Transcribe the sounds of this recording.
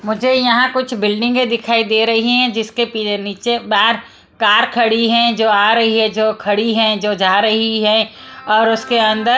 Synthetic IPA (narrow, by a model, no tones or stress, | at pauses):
mʊd͡ʒʱejɐɦãkʊt͡ʃʰbɪlɖɪ̃ŋɡẽd̪ɪkʰaːid̪eːɾɐɦiɦɛ̃d͡ʒɪskepieniːt͡ʃebaːɾ | kaːɾkʰɐɽiɦɛ̃d͡ʒoːaːɾɐɦiɦɛ̃d͡ʒoːkʰɐɽiɦɛ̃d͡ʒoːd͡ʒaːɾɐɦiɦɛ̃ɔːɾʊskeɐ̃nd̪ə